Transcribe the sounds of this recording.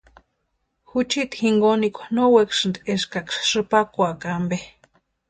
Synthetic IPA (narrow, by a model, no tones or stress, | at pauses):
xut͡ʃit̪hiŋɡonikʷnowekʃɨnd̪eʃkakʂʂɨpakʷakambe